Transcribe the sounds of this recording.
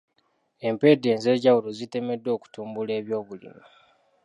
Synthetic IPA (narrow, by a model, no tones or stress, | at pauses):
e̞mpe̞de̞ːnze̞ːɟawulozite̞me̞dːo̞ːku̥tuːmbule̞ːβjo̞ːβulḭmu